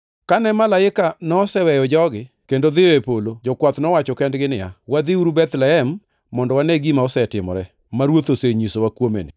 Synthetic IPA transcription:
kanɛmalaɪkanɔːsɛwɛjɔd͡ʒɔɡɪ | kendoðɪjɔepolod͡ʒɔkwat̪nɔwat͡ʃɔkɛndɡɪnɪja̰wad̪ɪuɾubɛt̪lɛhɛmː | ɔndɔwaneɡimaɔsɛtɪmɔ̰ɾɛ | maɾwot̪oseɲisowakwomḛnɪ

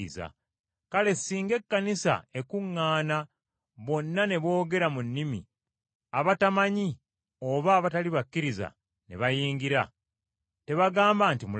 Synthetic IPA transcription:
iza̰ | kale̞siːŋɡe̞kːanisa̰e̞kuŋːaːna | βo̞nːane̞βo̞ːɡe̞ɾamunːimḭ | aβatamaɲi | o̞βaːβataliβakːiɾiza̰ | nḛβajiːŋɡiɾa̰ | te̞βaɡaːmbaːntimu

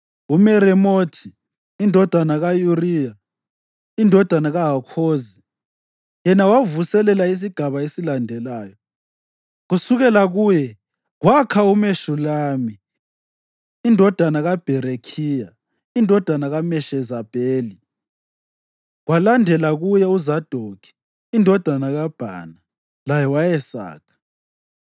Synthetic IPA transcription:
umɛɾɛmotʰi | indʱɔd̥ʱanaɣajuriːja | indʱɔd̥ʱanaɣaɦakʰoːzi | jɛnawavusɛlɛlais̬iɡ̥ʱaβaesilandʱɛlaːjɔ | ɣusuɣɛlaɣuːjɛ | ɣwakʰaumeʃulaːmi | indʱɔd̥ʱanaɣab̥ʱɛɾekʰiːja | indʱɔd̥ʱanaɣamɛʃɛzab̥ʱeːli | ɣwalandʱɛlaɣujɛuzad̥ʱokʰi̥ː | ndʱɔd̥ʱanaɣab̥ʱa̰na | lajɛwajɛsa̰ːkʰḁ

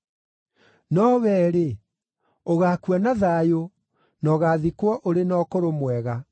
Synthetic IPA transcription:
nɔβɛːɾe | oɣakuanaðajo | nɔɣaːðikwɔʔoɾenɔkoɾomwɛɣa

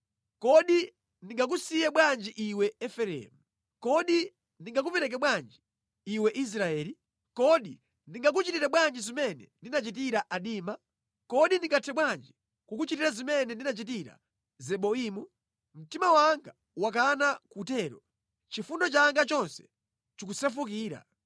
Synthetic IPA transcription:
kɔɗi | ndiŋɡak̬usijɛɓwand͡ʒiʔiwɛɛfɛɾɛ̰mu | kɔɗi | ndiŋɡak̬upɛɾɛk̬ɛɓwand͡ʒi | iwɛʔis̬ɾaɛːli | kɔɗi | ndiŋɡak̬ut͡ʃitiɾɛɓwand͡ʒizimɛnɛ̰ndinat͡ʃit̬iɾaʔaɗiːma | kɔɗindiŋɡatʰɛɓwand͡ʒi | kwak̬ut͡ʃitiɾazimɛnɛndinat͡ʃitiɾa̰ | zɛɓɔimu | m̩timawaŋɡa | wakanakutɛːɾɔ̰ | t͡ʃifundɔt͡ʃaŋɡat͡ʃɔnsɛ̥ | t͡ʃukusɛfukiːɾa̰

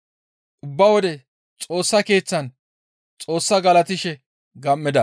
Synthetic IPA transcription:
ʔʊbːɐwɔd̪ɛ | t͡sʼo̞ːsːɐke̞ːt͡sːɐn | t͡sʼo̞ːsːɐɡɐlɐt̪ɪʃɛ | ɡɐmːɪd̪ɐ

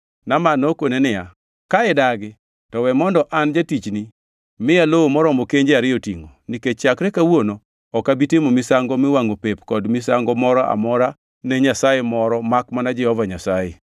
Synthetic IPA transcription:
namanokonenɪja | kaɛdaɡɪ | tɔwɛmɔndɔʔand͡ʒatit͡ʃni | mɪjalowomɔɾɔmokeɲd͡ʒeaɾɪjɔtiŋoniket͡ʃakɾɛkawono | ɔkabitɪmomɪsaŋɡɔmɪwaŋopepkɔdmɪsaŋɡɔmɔɾɔʔa̰mɔɾa | nɛɲasajemɔɾɔmakmanad͡ʒɛhɔvaɲasaje

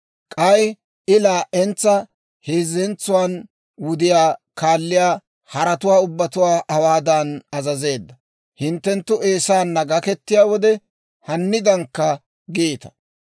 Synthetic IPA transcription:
kʼɐj | ɪlaːʔɛnt͡sːɐ | heːzɛnt͡sːʊwaːn | wʊd̪ɪjaːkaːlːɪjaː | hɐɾɐt̪ʊwaːʊbːɐt̪ʊwaːʔɐwaːd̪ɐnɐzɐze̞ːd̪ːɐ | hɪnt̪ːɛnt̪ːʊʔe̞ːsaːnːɐɡɐkɛt̪ːɪjaːwɔd̪ɛ | hɐnːɪd̪ɐŋkːɐ | ɡeːt̪ɐ̥

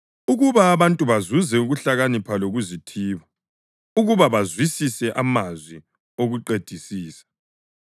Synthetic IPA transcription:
uɣuβaːβantʼuβazuzɛuɣuɬaɣanipʰaloɣuzitʰiːβa | uɣuβaβazwisisɛʔamazwi | oɣuǃed̥ʱisiːsḁ

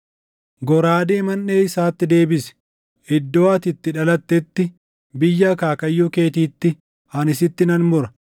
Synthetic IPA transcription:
ɡɔɾaːd̪eːmɐnːeːɪsaːt̪ːɪd̪e̞ːbɪsɛ̥ | ɪd̪ːoːɐt̪ɪt̪ːɪᶑɐlɐt̪ːɛt̪ːɪ | bɪjːɐkaːkɐjːuːke̞ːt̪iːt̪ːɪ | ɐnɪsɪt̪ːɪnɐnmʊɾɐ

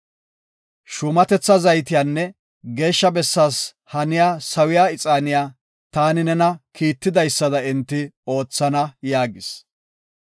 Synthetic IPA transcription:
ʃʊmɐt̪ɛt͡sːɐzɐjt̪̬ɪjaːnːɛ | ɡe̞ːʃːɐbɛsːaːs | hɐnɪjaːsɐwɪjaːɪt͡sʼaːnɪjaː | t̪aːnɪnɛnɐkiːt̪ːɪd̪ɐjsːɐd̪ɐɪnt̪ːɪo̞ːt͡sːɐnɐjaːɡɪs

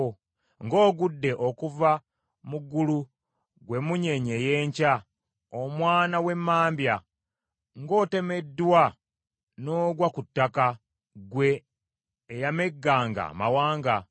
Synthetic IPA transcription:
ŋɡo̞ːɡudːe̞ʔo̞kuva | muɡulu | ɡwe̞muɲe̞ɲe̞jeːɲca | omwaːnawe̞mːaːmbja | ŋɡo̞ːte̞me̞dːwa | no̞ːɡwakutːaka | ɡwe̞ː | jame̞ɡːaːŋɡa̰ma̰waːŋɡa

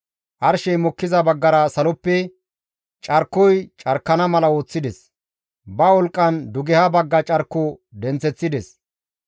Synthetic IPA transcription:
ʔɐɾʃɛjmɔkːɪzɐbɐɡːɐɾɐsɐlɔpːɛ | t͡ʃʼɐɾkːɔjt͡ʃʼɐɾkːɐnɐmɐlɐwo̞ːt͡sːɪd̪ɛs | bɐwɔlkʼːɐnd̪ʊɡɛhɐbɐɡːɐt͡ʃʼɐɾkːʊd̪ɛnt͡sɛt͡sːɪd̪ɛs

